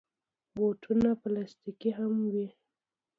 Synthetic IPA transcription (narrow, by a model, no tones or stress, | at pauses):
botʰunaplast̪ikiɦamwi